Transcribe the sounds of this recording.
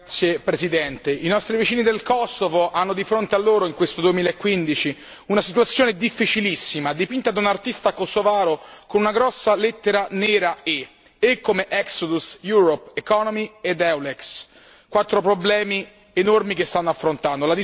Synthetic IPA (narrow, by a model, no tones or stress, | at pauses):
tsːjepɾesid̪ɛnt̪einɔst̪ɾivit͡ʃiːnid̪elkɔsːovoʔanːod̪ifɾont̪ealːoːɾoiŋkwest̪od̪uemiːlaekːwind̪it͡ʃi | unasit̪wat̪sːjoːned̪ifːit͡ʃilisːimad̪ipint̪ad̪unart̪ist̪akosovaːɾokonunaɡɾɔsːalet̪ːeɾanɛːɾae | ekːomeʔɛksod̪usjuːɾopːekɔnomied̪ɛwlɛks | kwat̪ːɾopɾoblɛːmi | enormikest̪anːoafːɾont̪and̪olad̪i